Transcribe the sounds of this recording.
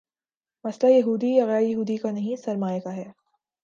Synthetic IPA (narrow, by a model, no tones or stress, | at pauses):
mɐslajɐɦuːd̪ijaɣɛːɾjɐɦuːd̪ikanɐɦĩsɐɾmaːjkaɦɛː